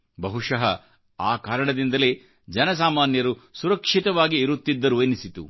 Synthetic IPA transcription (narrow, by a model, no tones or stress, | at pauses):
bɐɦuʂɐɦɐ | aːkaːɾɐɳɐd̪ind̪ɐleː | d͡ʒɛnɐs̬aːmaːnjɐɾusuɾɐkʂit̪ɐʋaːɡiːɾut̪ːid̪ːɐɾuenisit̪ṵ